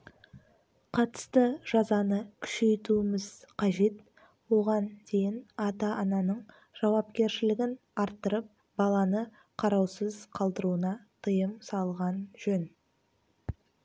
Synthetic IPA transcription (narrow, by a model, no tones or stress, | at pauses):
qʰɑt̪ə̥st̪əʒ̥ɑzɑnəkʲʰʏ̥ʃe̞jt̪uɪmɪz̥qʰɑʒe̞t̪ | wo̞ʁɑnd̪ʰe̞jɪnɑt̪ɑʔɑnɑnəɴ | ʒ̥ɑwɑp̚kʲe̞ɾʃɪlɪɡʲɪn | ɑɾt̪ːəɾəp̚ | b̥ɑlˠɑnə | qʰɑɾɑwsəzqʰɑlˠd̪əɾuənɑt̪ʰəjəmsɑlˠʁɑnʒɵn